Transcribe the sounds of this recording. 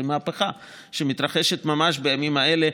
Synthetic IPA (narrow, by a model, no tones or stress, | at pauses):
emaapeχa | ʃemit̪ʁaχeʃet̪mamaʃbejamimaele